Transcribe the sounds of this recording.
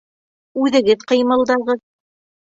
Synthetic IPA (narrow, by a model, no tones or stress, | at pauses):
ʉðɘ̆ɡɘðqɤ̆jmɤ̆lˠd̪ɑʁɤð